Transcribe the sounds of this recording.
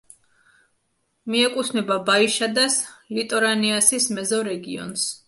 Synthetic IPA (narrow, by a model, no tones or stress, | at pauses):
miɛkʼut̪ʰmɛbabaiʃad̪aslit̪ʼɔɾaniasismɛzɔɾɛɡiɔ̰ns